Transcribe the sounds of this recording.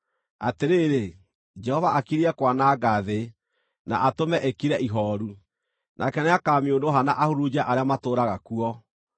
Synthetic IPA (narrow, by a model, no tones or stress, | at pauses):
ateɾeːɾe | d͡ʒɛhɔvaʔakiɾiɛkwanaːɡaðe | na̰ʔatomɛʔekiɾɛʔiɦɔːɾu | nakɛneakaːmeondoɦanaʔahoɾud͡ʑaʔaɾeamatoːɾaɣakuɔ